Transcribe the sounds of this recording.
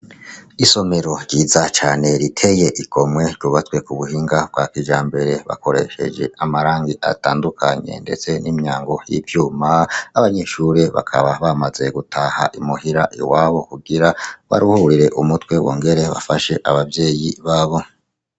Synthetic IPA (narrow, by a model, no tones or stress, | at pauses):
iso̞me̞ɾo̞ɾɟiːzat͡ʃaːne̞ɾitʰe̞je̞ʔikʰo̞mwe̞ɾɟuːβat͡swe̞kuβuhiːŋɡab̚ɡaːkid͡ʒaːmbe̞ɾe̞βa̰ko̞ɾe̞̰ʃe̞̰d͡ʒe̞̰ʔamaɾaːŋɡiʔa̰taːndukʰaɲe̞̰nde̞t͡se̞nimɲaːŋɡo̞jivjuːmaːβaɲe̞ʃuɾeβa̰kʰa̰βaβamaze̞ɡutʰaha̰ʔimuhiɾaʔiwaːβo̞kuɡiɾaβa̰ɾiuhuɾiɾe̞ʔumutwe̞wʔoːŋɡe̞ɾe̞βa̰faʃe̞ʔaβabje̞ːjiβaːβo̞